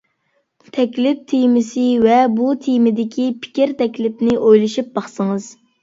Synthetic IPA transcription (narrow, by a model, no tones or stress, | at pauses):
t̪ʰɛkʲlɪp̚t̪ʰijmɪsɪvɛbut̪ʰijmɪd̪ɪkʲʰipʰi̥kʲiɾt̪ʰɛkʲlɪpnɪʔojlˠɨʃip̚bɑχsɨŋɨz̥